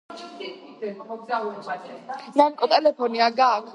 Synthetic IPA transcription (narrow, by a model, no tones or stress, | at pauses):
awɛ | nankʼɔt̪ʼɛlɛpʰɔniaɡaːkʰ